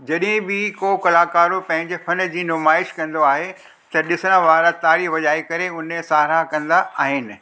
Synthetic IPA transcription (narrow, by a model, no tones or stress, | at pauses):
d͡ʑɐɗɦɪ̃bɪkoːkɐlaːkaːɾopɐ̃ɦɪ̃ɲd͡ʑefɐn̆d͡ʑiːnʊmaːɪʃkɐ̃nd̪oaːɦe | t̪ɐɗɪsɾ̃ãʋaːɾat̪aːɾiːʋɐʄaːikɐɾeʊnesaːɾakɐ̃nd̪aaːɦɪnɪ̆